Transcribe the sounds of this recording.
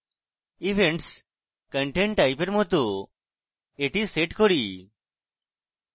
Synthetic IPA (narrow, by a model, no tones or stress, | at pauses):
iʋʱeɳʈs | kəɳʈeɳʈːajpeɾmɔt̪o | eʈiseʈkɔɽi